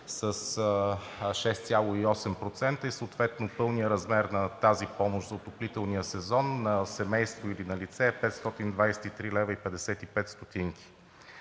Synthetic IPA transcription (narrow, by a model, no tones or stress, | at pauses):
səs | ʃɛst̪sʲalˠʊiɔsɛmpɾot̪sɛnt̪əisəot̪vɛt̪nopɤlˠnijəɾɐzmɛɾnɐt̪azipɔmʊʃzɐot̪oplit̪ɛlˠnijəsɛzɔnːɐsɛmɛjst̪voilinɐlit̪sɛːpɛt̪st̪ɔt̪ind̪vajsɛ̥t̪it̪ɾilɛvəipɛd̪ɛsɛt̪ipɛt̪st̪ot̪iŋki̥